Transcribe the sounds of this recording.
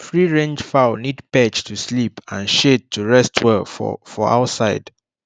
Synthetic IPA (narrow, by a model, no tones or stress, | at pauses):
fɹiɹẽnd͡ʒfaʊnidpɛt͡ʃtʰuslipã̰nʃet̚tʰːuɹɛstʰwɛfɔ̰fɔa̰ʊsaɪd̥